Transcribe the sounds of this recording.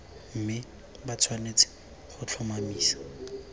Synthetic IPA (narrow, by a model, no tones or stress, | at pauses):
m̩mɪ | bat͡sʰwanet͡sʰɪ̥ | χʊt͡ɬʰɔmamiːsḁ